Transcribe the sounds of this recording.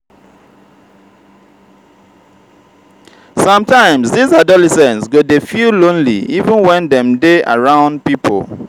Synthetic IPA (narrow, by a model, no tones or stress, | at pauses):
sʌ̃mtãɪ̃msdizadɔlɛsɛ̃nsɡodefulõnlḭivũnwɛ̃ndɛ̃mdea̰ɹãʊ̃nd̚pipʰo̰l